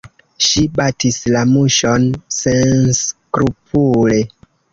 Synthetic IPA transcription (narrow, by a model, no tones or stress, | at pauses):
ʃibatislamuʃonsenskɾupʰule